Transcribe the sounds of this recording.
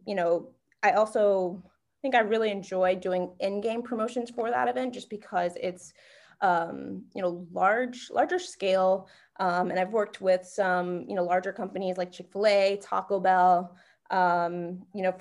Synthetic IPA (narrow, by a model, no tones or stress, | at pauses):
jɨñoʊ | ʔaɪɔlˠsoʊ | θɪ̃ŋkaɪɹɪlˠiɨ̃nd͡ʒɔɪdʉɪ̃ŋɪ̃nɡẽɪ̃mpʰɹ̥əmoʊʃɨ̃nz̥fə˞ðə̰ɾɨvɛ̃ntd̥ʒ̥ʌsb̥ɨkʰʌzɪts | ʔʌ̃mjɨ̰noʊlɑɹd͡ʒlʔɑ̰ɹd͡ʒə˞skeɪlˠ | ʔʌ̃mɨ̃ñaɪvwɜ˞k̚t̚wɪð̥sʌ̃mjɨ̰noʊlɑɹd͡ʒə˞kʰʌ̃mpɨnizlaɪk̚t͡ʃʰɪkfleɪtʰɑ̰koʊbɛlˠ | ʔʌ̃mjɨnoʊ